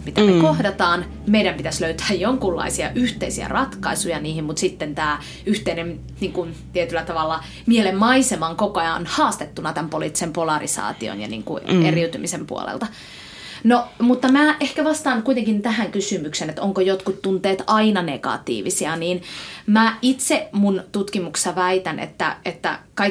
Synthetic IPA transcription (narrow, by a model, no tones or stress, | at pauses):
mit̪æmekohdɑt̪ɑːn | meiɾæmpit̪æsløyt̪æːjjoŋkulːɑ̰isiɑ̰ʔyht̪eisiæ̰rɑt̪kɑisujɑniːhimmut̪sit̪ːent̪æː | yht̪einem | niːŋkunt̪iet̪ylːˑæt̪ɑʋɑlːɑ | mielemmɑisemɑŋkokojɑnhɑːst̪et̪ːunɑt̪æmpolḭt̪ːi̥sempolɑrisɑ̰ːt̪io̰njɑ̰nḭːŋkṵʔeriut̪ymisempṵo̰lḛlt̪ɑ | nomut̪ːɑmæːʔehkæʋɑst̪ɑːŋkuit̪eŋkint̪æhæŋkysymyksenet̪oŋkojot̪kut̪tːunt̪ˑeːt̪ɑinɑnekɑ̰t̪ḭːʋisiɑniːnmæːʔit̪semunt̪ut̪kimukssɑʋæit̪ænʔḛt̪ːæ̰et̪ːæ̰kɑi